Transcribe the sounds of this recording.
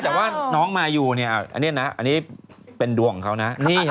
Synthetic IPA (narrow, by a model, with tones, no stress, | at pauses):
t̪ɛː˨˩waː˥˩nɔː˦˥ŋmaː˧juː˨˩ni˥˩ɐʔa˨˩ʔa̰˧nːi˦˥˩na˦˥ʔa̰˧nːiː˦˥ | pe˧ndu˨˧˩əŋkʰa˦˥wna˦˥niː˥˩